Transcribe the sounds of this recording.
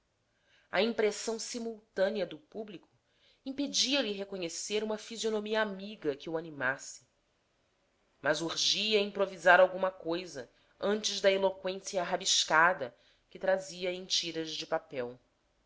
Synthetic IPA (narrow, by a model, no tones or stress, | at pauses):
ɐ̰ĩmpɾesɐ̃w̃simuwt̪ɐ̃niɐd̪ʊpublikʊ̥ | ĩped͡ʒiɐliɦekoɲeseɾũmɐfizionomiɐamiɡɐkɪuanimasɪ̥ | mɐzuɾʒiɐĩpɾovizaɾawɡũmɐkojzɐ | ɐ̃nt͡ʃɪʒd̪ɐelokwẽsiɐɦabiʃkad̪ɐ | kɪt̪ɾaziɐẽt͡ʃiɾɐzd͡ʒɪpapɛw